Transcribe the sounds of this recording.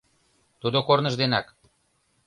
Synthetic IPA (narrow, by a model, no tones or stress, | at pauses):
t̪ud̪okornəʒd̪enɑk